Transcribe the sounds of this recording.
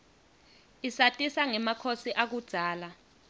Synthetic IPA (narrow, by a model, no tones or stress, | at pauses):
isatʼisaŋɛmakʰosiʔak̬ud̥ʱaːla